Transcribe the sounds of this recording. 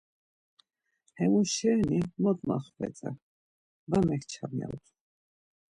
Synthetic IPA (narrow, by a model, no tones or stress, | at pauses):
hɛmuʃɛɾnimɔt̪maχvɛ̰t͡sʼa̰ | vamɛkʰt͡ʃʰabnɛ̰lt̪ʰ